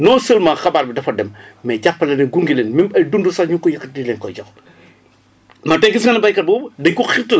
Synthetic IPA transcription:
nɔːsəːlmɐxɐbaːɾbidɐfɐdɛmmɛɟapːɐlɛnɐɡuŋɡileːnmimɐjdundusɐɲukɔjɐkːɐt̚dileːnkɔjɔx | mɐtɛɡisŋɐnɐbɐjkɐt̚bɔːbɐdɐɲkuxitɐ

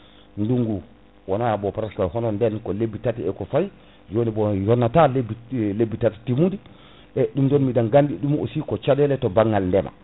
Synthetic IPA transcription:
nduŋɡu | wɔnajabɔpɾaskajhɔnɔndɛnkɔlebːitatiɛkɔfaj | d͡ʒonibɔjɔnːatalebilebːitati̥timudi | ʔɛɗumdɔnmidanɡandiɗumo̰sikɔt͡ʃadɛlɛtɔbaŋːalndɛma̰

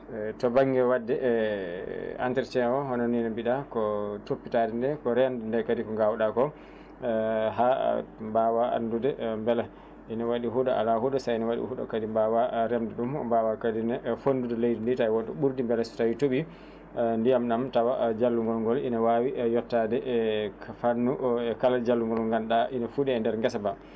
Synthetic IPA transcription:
tɔbaŋɡɛwadːɛʔ | a̰ntɛɾt͡ʃɛwɔɦɔnɔninabiɗakɔtopːitadɛndɛkɔɾɛndndɛkadikɔŋɡawɗakɔ | ɦambawaa̰ndudɛmbɛla | ʔinawaɗiɦuɗaa̰laɦudasajnawaɗḭhuɗa̰kadimbawaɾɛmdɛɗumɔ̰bawakadinɛfondudɛlejdinditawɔɗɔ̰ɓuɾdimbɛlɛstawitoɓi | ndijamɗamtawad͡ʒalːuŋɡɔlŋɡɔlinawawiʔjɔtːadɛʔkʰafanːuɛkalad͡ʒalːuŋɡɔlŋɡanɗaʔinafuɗɛːndɛɾŋɡɛsaba

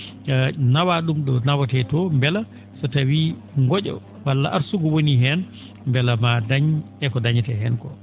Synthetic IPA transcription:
nawaɗumɗɔnawatɛtɔmbɛla | sɔtawi | ŋɡɔɟɔ̰ | walːaʔaɾsuɡɔwoniɦɛn | mbɛlamadaɲɛkɔdaɲɛtɛɦɛnkɔ̰

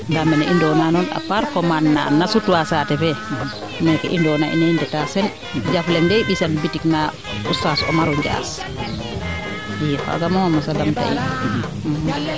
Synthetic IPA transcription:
ŋɡamɛnɛʔindɔnanɔna̰paɾkɔmanːa̰nasutuwasatɛfɛ | nɛkɛʔindɔna̰ʔḭnɛindɛtasɛn | d͡ʒaflɛndɛjɗisanbitikna | usasɔmaɾɔɲd͡ʒa̰s | jɛkɔ̰a̰ɡamɔamɔsadamta̰ʔi | h

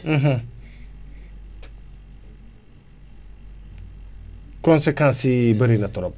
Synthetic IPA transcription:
m̩ɦ̩ | kɔnsekʰãsibəɾenat̪ɔɾɔp̚

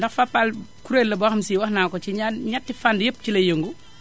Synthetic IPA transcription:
ndɐxfɐpːalkuɾellːɐbɔːxɐmsiːwɐxnaːkɔt͡ʃiɲanɲatːifandjəp̚ːcilɐjəŋɡu

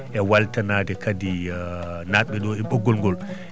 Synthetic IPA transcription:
ʔɛwaltanaːdɛkadi | naɓɛɗɔɛɓɔɡːɔlŋɡɔl

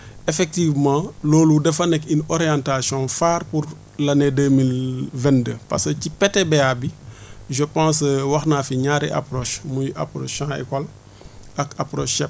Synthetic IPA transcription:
efɛk̚tivmãːlɔːludɛfɐnɛkinɔɾijãntasjɔ̃faːrpuɾ | lɐnedəmilvɛ̃ndəːpa̰skəcipɛtɛbɛabiʒəpãːs̬wɐxnaːfiɲaːɾɛʔa̰pɾɔːʃmujʔa̰pɾo̰ːʃãːḛkɔl | ɐkapɾoːʃːɛp̚

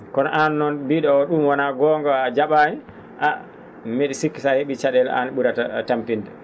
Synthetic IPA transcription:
kɔnɔ̰ʔanːɔnbiɗɔɔɗumwanaɡɔŋɡɔad͡ʒaɓaɲi | ʔa | meɗisikːisaheɓit͡ʃaɗɛl̰a̰nɓuɾatatampindɛ

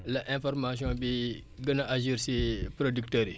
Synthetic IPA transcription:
laʔɛ̃fɔɾmas̬jɔ̃bi | ɡənaʔaʒiɾsepɾodiktəːɾi

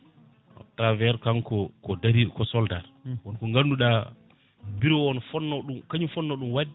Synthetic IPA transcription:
ɔ̰tːavɛɾkaŋkɔkɔdaɾiɗukɔsɔldaɾwɔnkɔŋɡanduɗa | biɾɔɔnfɔnːɔɗumkaɲufɔnːɔɗumwadi

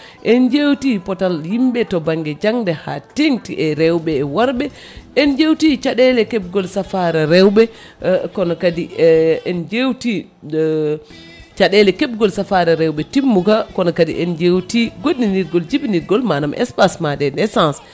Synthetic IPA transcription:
ʔɛnd͡ʒewtipɔtaljimbɛtɔbaŋɡɛd͡ʒaŋdɛhateŋtiʔɛɾɛwbɛːwaɾbɛ | ɛnd͡ʒewtit͡ʃaɗɛlɛkɛb̚ɡɔlsafaɾɛɾɛwbɛ | kɔnɔkadiɛnd͡ʒewti | t͡ʃaɗɛlɛkɛb̚ɡɔlsafaɾɛɾɛwɓɛtimːukakɔnɔkadḭʔɛnd͡ʒewtiɡoɗːiniɾɡɔld͡ʒibniɾɡɔlmanamʔɛ̰spasmadɛnɛsãns

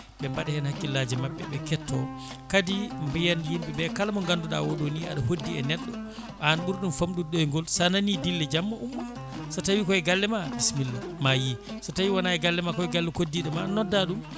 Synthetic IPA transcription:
ɓɛmbaɗɛhɛnhakːilːad͡ʒɛmaɓːɛ̰ɓɛkɛtːɔkadimbijanjimɓɛbɛkalamɔŋɡanduɗa̰woɗonia̰ɗahodːiɛ̰nɛɗːɔ | ʔanɓuɾɗumfamɗuɗɔjŋɡɔlsananidilːɛd͡ʒamːɔʔumːa | sɔtawikɔɛɡalːɛmabismilːamaji | sɔtawiwanaɛɡalːɛmakɔɛɡalːɛkodːiɗɔmanɔdːaɗum

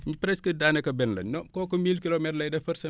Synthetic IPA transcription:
ɲipɾɛskədaːnɛkɐbɛnlɐ̰ɔkɔːkɔmilkilomɛtlɐjdɛfɐrsɐ

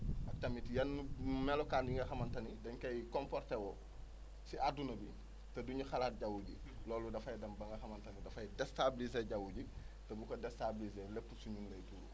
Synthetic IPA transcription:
ʔɐk̚tɐmitijɐnːumɛlɔkaːndiŋɡɐxɐmɐntɐnidɐɲkɐjkɔmpɔrtewɔ | siʔadunɐbi | tɐduɲuxalaːt̚ɟawuɟi | lɔːludɐfɐjidɐmbɐŋɡɐxɐmɐntɐnidɐfɐjidɛstablizeɟawuɟi | tɐbukɐdɛstablizelɛpːusuɲunlɐjtulu

